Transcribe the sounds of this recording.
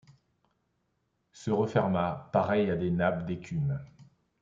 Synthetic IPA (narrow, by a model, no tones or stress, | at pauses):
səʁəfɛʁmapaʁɛjad̪enapd̪ekʲʰym